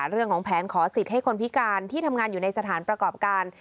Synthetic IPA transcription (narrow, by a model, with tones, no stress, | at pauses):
ɾɯ˥˩əŋkʰɔː˩˦ŋpʰɛː˩˦nkʰɔː˩˦si˨˩t̪̚ha˥˩jkʰo˧npʰi˦˥kaː˧nt̪ʰiː˥˩t̪ʰa˧mŋaː˧njuː˨˩na˧jsa˧t̪ʰaː˩˦npɾa˧kɔː˨˩p̚kaː˧n